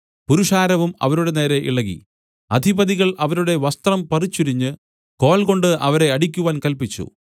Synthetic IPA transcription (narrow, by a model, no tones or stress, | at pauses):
puɾuʂaːɾɐʋumɐ̰ʋɐɾuɽe̞ne̞ːɾe̞ʔḭɭɐɣḭ | ɐd̪ʱibɐðiɣɐɭʔɐʋɐɾuɽe̞ʋɐst̪rɐmpɐrit͡ɕːuɾiɲːɨ | ko̞ːlko̞ɳɖɨʔɐʋɐɾe̞ɐɽik̬ʲːuʋaːnkɐlpit͡ɕːṵ